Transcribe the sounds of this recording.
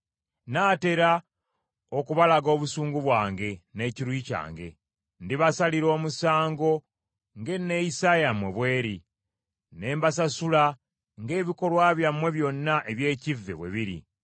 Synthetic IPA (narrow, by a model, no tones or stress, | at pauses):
naːte̞ɾa | o̞kuβalaɡo̞ːβusuːŋɡuβwaːŋɡe̞ne̞ciɾwiːca̰ːŋɡe̞̰ | ndiβasaliɾo̞ːmusaːŋɡo̞ | ŋɡe̞ne̞jisajamwe̞βwe̞ːɾi | ne̞ːmbasasula | ŋɡe̞ːβiko̞lwaːβjamwe̞βjo̞nːaʔe̞βje̞ːcivːe̞̰βwe̞̰βiɾḭ